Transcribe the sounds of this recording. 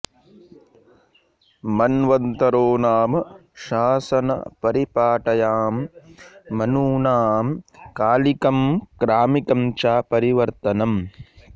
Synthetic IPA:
mɐnʋɐnt̪ɐɾoːnaːmʃaːsɐnɐ̰pɐɾipaːʈɐjaːmː | ɐnuːnaːmkaːlikɐmkɾaːmikɐmt͡ʃaːpɐɾiʋɐɾt̪ɐnɐm

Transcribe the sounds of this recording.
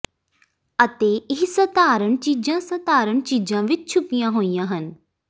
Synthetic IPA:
ət̪eːɪɦsət̪aːɾəɳt͡ʃiːd͡ʒãːsət̪aːɾəɳt͡ʃiːd͡ʒãːʋɪt͡ʃt͡ʃʰʊpijãːɦoːijãːɦən

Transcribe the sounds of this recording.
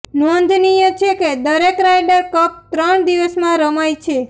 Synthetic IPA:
nond̪ʱnijət͡ʃʰeked̪əɾekɾajɖəɾkəp̚t̪ɾəɳd̪iʋəsmãɾəmajt͡ʃʰe

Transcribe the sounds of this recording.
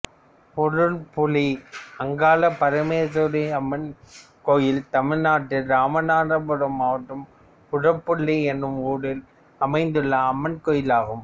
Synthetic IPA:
pɔɾɯɭpʊɭiɐŋɡaːlɐpɐɾɐmeːsoɾɪɐmːɐn | kojɪlt̪ɐmɪɻnaːʈːɪɾaːmɐnaːndɐpʊɾɐmaːʈːɯm | pʊɽɐpːʊɭːiɛnːɯmuːɽɪl | ɐmɐɪnd̪ɯɭːɐːmːɐnkoːjɪlaːɣɯm

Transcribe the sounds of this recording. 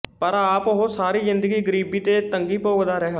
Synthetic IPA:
pəɾaːpɦoːsaːɾiːzɪnd̪əɡiːɡəɾiːbiːt̪eːt̪əŋɡiːpoːɡd̪aːɾɛːɦa

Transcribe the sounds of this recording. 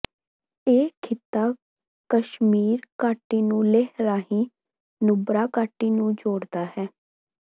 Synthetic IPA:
eːkʰɪt̪ːaː | kəʃmiːɾkaːʈːiːnũːleɦɾaːɦĩː | nʊbɾaːkaːʈːiːnũːd͡ʒoːɽd̪aːhɛː

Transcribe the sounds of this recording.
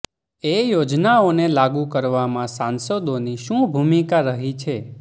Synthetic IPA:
ejod͡ʒnaonelaɡukəɾʋamãsãnsəd̪oniʃũbʱumikaɾəɦit͡ʃʰe

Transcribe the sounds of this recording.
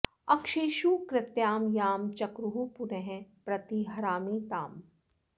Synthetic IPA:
ɐkʃeːʃukɾɪt̪jaːmjaːmt͡ʃɐkɾuɦupʊneɦɛ̃pɾɐt̪iɦɐɾaːmit̪aːm

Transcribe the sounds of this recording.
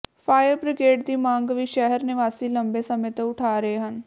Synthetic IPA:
pʰaːjəɾbɾɪkeːʈd̪iːmãːŋɡʋiːʃɛɦəɾnɪʋaːsiːləmbesəmẽt̪əʊʈʰaːɾəeɦən

